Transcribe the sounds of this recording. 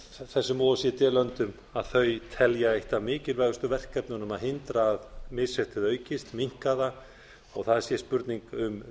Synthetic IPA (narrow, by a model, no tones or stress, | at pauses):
θɛsːʏmɔːlasjɛt̪ɛːlœnt̪ʏm | aðθœɥt̪ʰɛljaejht̪amɪːcɪlvaːɣʏst̪ʏvɛr̥kɛpnʏnʏmaðɦɪnt̪ɾaːðmɪsɛht̪ɪðœːɥcɪst̪miŋ̥kaða | ɔɣθaðsjɛspʏɾt̪niŋkʏm